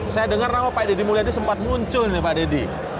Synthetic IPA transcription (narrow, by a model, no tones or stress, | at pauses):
sajadəŋarnawapaidedimuliadisəmpat̪̚muɲt͡ʃʊlnɪpadedi